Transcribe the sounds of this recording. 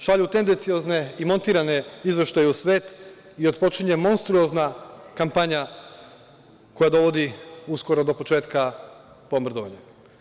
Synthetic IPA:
ʃaʎut̪e̞nd̪e̞nt̪sio̞zne̞imo̞nt̪iːɾane̞izʋeʃt̪ajeusʋe̞ːt̪ | iot̪po̞t͡ʃiɲemo̞nst̪ɾuo̞znakampaɲa | ko̞jad̪o̞ʋo̞d̪iusko̞ɾo̞d̪o̞po̞t͡ʃe̞ːt̪ka | pomr̩d̪oʋaɲa

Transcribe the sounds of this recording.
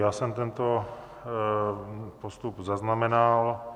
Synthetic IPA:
jaːsɛmt̪ɛnt̪o | post̪upzaznamɛnal

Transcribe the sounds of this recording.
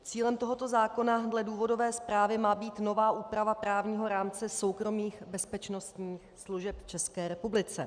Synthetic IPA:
t͡siːlɛmt̪o̞ɦo̞t̪ozaːko̞nadlɛduːvo̞do̞vɛːspɾaːvɪmaːbiːt̪no̞vaːʔuːpɾavapɾaːvɲiːɦo̞ɾaːmt͡sɛso̞wkɾo̞miːxbɛspɛt͡ʃno̞st̪ɲiːxsluʒɛpt͡ʃɛskɛːɾɛpublɪt͡sɛ

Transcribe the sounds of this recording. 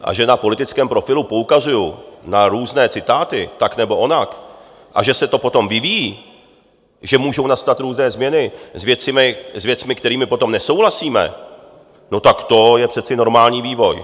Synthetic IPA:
ʔa̰ʒɛnapo̞lɪt̪ɪt͡skɛːmpɾo̞fɪlupoukazujunaɾuːznɛːt͡sɪt̪aːt̪ɪt̪aknɛbo̞ʔonak | ʔa̰ʒɛsɛt̪o̞po̞t̪o̞mvɪviji | ʒɛmuːʒo̞wnast̪at̪ɾuːznɛːzmɲɛnɪzvjɛt͡sɪmɪzvjɛt͡smɪkt̪ɛɾiːmɪpo̞t̪omnɛso̞wlasiːmɛ̰ | no̞t̪akt̪o̞jɛpr̥ɛt͡sɪno̞ɾmaːlɲiːviːvo̞j

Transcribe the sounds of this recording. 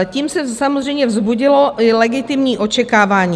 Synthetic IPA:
ɛciːmsɛsamozr̝ɛjmɲɛvzbuɟɪloʔɪlɛɡɪt̪ɪmɲiːʔo̞t͡ʃɛkaːvaːɲiː

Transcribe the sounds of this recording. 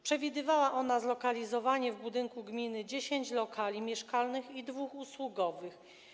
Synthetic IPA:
pʂɛvʲid̪ɘvawaʔɔnazlɔkalʲizɔvaɲɛvbud̪ɘŋkuɡmʲinɘd͡ʑeɕeɲt͡ɕlɔkʰalʲimʲjɛʂkalnɘxid̪vuxuswuɡɔvɘx

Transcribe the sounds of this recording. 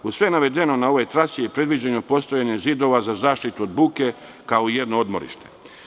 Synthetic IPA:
usʋenaʋe̞d̪e̞no̞nao̞ʋojt̪ɾasijepɾe̞d̪ʋid͡ʑaɲopo̞st̪o̞jaɲe̞zid̪o̞ʋazazaːʃt̪it̪uod̪buːke̞ | kao̞ije̞d̪nood̪mo̞̰ɾḭʃt̪e̞̥̰

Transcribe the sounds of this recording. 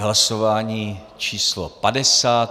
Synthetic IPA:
ɦlasovaːɲiː | t͡ʃiːslopadɛsaːt̪

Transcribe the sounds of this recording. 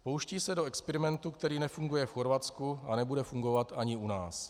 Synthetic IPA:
po̞wʃciːsɛdoɛkspɛɾɪmɛnt̪ukt̪ɛɾiːnɛfuŋɡujɛfxo̞ɾvat͡skuanɛbudɛfuŋɡo̞vat̪aɲɪunaːs

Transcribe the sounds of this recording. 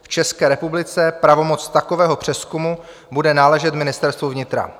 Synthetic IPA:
ft͡ʃɛskɛːɾɛpublɪt͡sɛpɾavo̞mo̞t͡st̪akovɛːɦo̞pr̝̥ɛskumu | budɛnaːlɛʒɛt̪mɪnɪst̪ɛɾst̪vuvɲɪt̪ɾa̰

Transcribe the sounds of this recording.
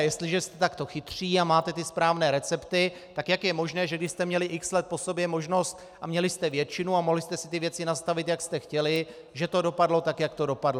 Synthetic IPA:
jɛst̪lɪʒɛst̪ɛ̥t̪akt̪o̞xɪt̪r̝̥iːamaːt̪ɛt̪ɪspɾaːvnɛːɾɛt͡sɛpt̪ɪ | t̪akjakjɛmo̞ʒnɛːʒɛɡdɪʃst̪ɛmɲɛlɪʔɪkslɛt̪̚po̞sobjɛmo̞ʒno̞st̪ | amɲɛlɪst̪ɛvjɛt͡ʃɪnuamoɦlɪst̪ɛsɪt̪ɪvjɛt͡sɪnast̪avɪt̪jakst̪ɛxcɛlɪ | ʒɛt̪o̞do̞padlo̞t̪akjakt̪o̞do̞padlo

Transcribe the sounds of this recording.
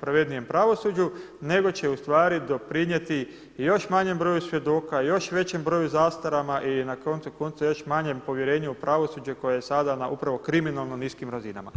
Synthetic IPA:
pɾaʋed̪nije̞mpɾaʋo̞sud͡ʑu | ne̞ɡo̞t͡ɕe̞ust̪ʋaːɾid̪o̞pɾiɲje̞t̪i | jo̞ʃmaɲe̞mbɾo̞ːjusʋje̞d̪o̞ːkajo̞ʃʋe̞t͡ɕe̞mbɾo̞ːjuzaːst̪aɾamaʔinako̞nt̪suko̞nt̪sujo̞ʃmaɲe̞mpo̞ʋje̞ɾe̞ːɲuupɾaʋo̞sud͡ʑeko̞jajesad̪anaʔupɾaʋo̞kɾiminalˠno̞niːskimɾazina̰ma̰

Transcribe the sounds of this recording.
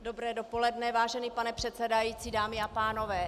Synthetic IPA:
do̞bɾɛːdo̞po̞lɛdnɛvaːʒɛniːpanɛpr̥ɛt̪sɛdajiːt͡siːdaːmɪapaːno̞vɛː

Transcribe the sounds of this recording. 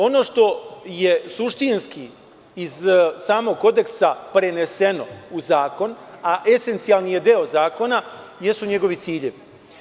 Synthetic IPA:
o̞no̞ːʃt̪o̞je̞suʃt̪inski | izsaːmo̞ɡ̚ko̞d̪e̞ksapɾe̞ne̞se̞no̞uzaːko̞naʔe̞se̞nt̪sialˠnije̞d̪eozaːko̞na | je̞st̪uɲe̞ɡo̞ʋit̪siːʎeʋi

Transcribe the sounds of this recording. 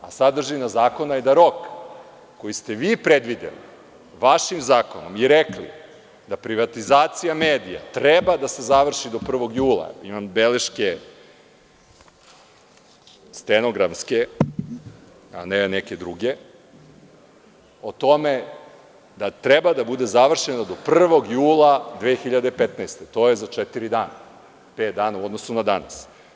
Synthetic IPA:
asad̪r̩ʒinazaːko̞naed̪aɾo̞kː | ojist̪e̞ʋiːpɾed̪ʋid̪ḛlḭ | ʋaʃimzaːko̞no̰miɾeklḭ | d̪apɾiʋat̪izaːt̪sijameːd̪ija̰t̪ɾebad̪ase̞zaʋr̩ʃid̪o̞pr̩ʋo̞ɡjuːlˠa̰imambeleʃke | st̪eno̞ɡɾamske | a̰neneke̞d̪ɾuɡe | ot̪o̞me | d̪at̪ɾebad̪abud̪e̞zaʋr̩ʃenad̪o̞pr̩ʋo̞ɡjuːlˠad̪ʋeːxiʎad̪eipet̪naːst̪et̪o̞ːjezat͡ʃet̪iɾid̪aːna | peːt̪̚d̪aːnauo̞d̪nosunad̪ana̰s

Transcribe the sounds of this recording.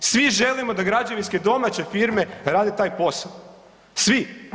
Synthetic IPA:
sʋiʒe̞limo̞d̪aɡɾad͡ʑaʋinske̞d̪o̞mat͡ɕe̞fiɾme̞ɾaːd̪e̞t̪aːjpo̞sal | sʋi

